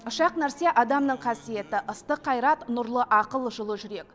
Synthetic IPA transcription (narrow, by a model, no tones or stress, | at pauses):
ʊʃɑqnæɾse̞ʔɑd̪ɑmnəɴqʰɑsije̞t̪ɪʔəst̪əqʰːɑjɾɑt̪nʊɾlˠəʔɑqəlˠʒʊlˠəʒʏɾe̞k